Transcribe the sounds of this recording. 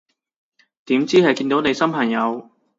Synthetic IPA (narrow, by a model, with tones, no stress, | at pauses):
t̪iː˨˥mt͡siː˥hɐ˨jkiː˧nt̪o˨˥wne˨˧jsɐ˥mpʰɐ˨˩ŋjɐ˨˧w